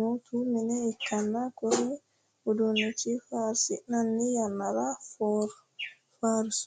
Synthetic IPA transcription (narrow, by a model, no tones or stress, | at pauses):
otʰuminɛikːanːakɔɾɛ | udɔnːet͡ʃifaɾsinanːijanːaɾafɔɾ | faɾs